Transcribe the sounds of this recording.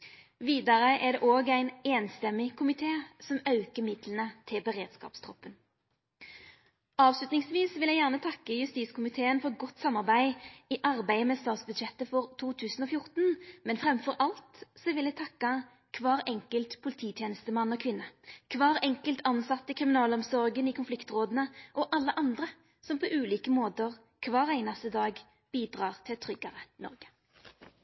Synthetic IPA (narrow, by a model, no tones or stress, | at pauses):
ʋiːd̪ɑʁəʔɛʁd̪ɛ̰ʔoːɡæɪneːnst̪ɛmːɪkʰʊmɪt̪ʰeːsɔmɑʉkəmɪd̪lənət̪ʰɪlbəʁḛːd̪̥skɑ̰ːpst̪ʰʁɔpːən | ɑːʋslʉt̪nɪŋsʋiːsʋɪljæɪjæːʁnət̪ʰɑkːəjʉst̪iːskʊmɪt̪ʰeːənfɔɡɔt̪ːsɑmːɑʁbæɪiʔɑʁbæɪəmɛːst̪ɑːt̪sbʉd̪ʃɛt̪ːəfɔʁt̪ʰuːt̪ʰʉːsn̩oːfjʊʁt̪nmɛnfʁɛmfɔʁʔɑlt̪sɔʋɪlæɪt̪ʰɑkːɑ | kʰʋɑːʁɛŋkəlt̪pʰʊlɪt̪ʰiːt̪ʰjɛːnəst̪əmɑnːɔkʰʋɪnːəkʰʋɑːʁɛŋkəlt̪ʰɑnsɑt̪ːəkʰʁɪmɪnɑːlɔmsɔʁɡənɪkʰʊnflɪkt̪ʁoːd̪ənəʔɔʔɑlːəʔɑnd̪ʁə | sɔmpʰɔʔʉːliːkəmoːt̪əʁ | kʰʋɑːʁæɪnɑst̪əd̪ɑːɡ | b̥iːd̪ʁɑːʁt̪ʰɪt̪ʰʁʏɡɑʁənɔ̰ʁɡə̥